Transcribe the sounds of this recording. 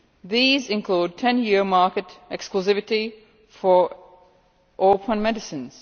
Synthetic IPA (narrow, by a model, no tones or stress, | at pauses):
ðiːzɪ̃nkʰluːd̚tʰɛ̃njɪɹmɑkɨtɛkskluzɪvɪti | fə˞ | ʔɔpʰə̃nmɛdɪsɨ̃nz̥